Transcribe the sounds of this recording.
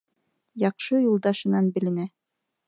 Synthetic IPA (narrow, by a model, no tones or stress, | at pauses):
jɑqʃɤjulˠd̪ɑʃɤ̆nɑnbɘ̆lɘ̆næ